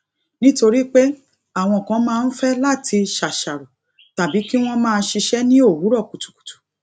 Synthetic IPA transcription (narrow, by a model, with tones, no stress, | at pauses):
nĩ˦to˧ɾi˦k͡pe˦ | a˦˨w̃ɔ̃˧˨kã˨˧˦mãː˧˦n̩˦fɛ˦la˦˨tʰi˧ʃa˨ʃa˨ɾu˨ | ta˨bi˨˦ki˦w̃ɔ̃˦mãː˦˧˦ʃi˧ʃɛ˦nĩ˦o˦˨wu˨˦ɾɔ˦˨ku˨tu̥˨ku̥˨tu̥˨